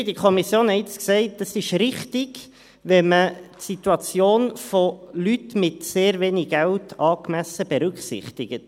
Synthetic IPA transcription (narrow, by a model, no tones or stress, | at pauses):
dikʰɔmisjoːnhɛɪt͡sksɛɪt̚d̥ɑsɪʃɾɪχtɪɡ | ʋɛmətsit̪uɑt͡sjoːnfolytmɪtseːɾveːniɡæwtʰɑːkmæsəb̥ɛɾʏkχsɪ̰χt̪ɪɡət